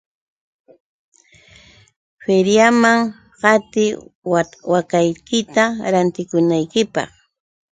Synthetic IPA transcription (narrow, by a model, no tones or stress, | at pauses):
feɾjamaŋ | ɢɑt̪ɪ | wakajkɪt̪aɾant̪ɪkʊnajkɪpɑ̰χ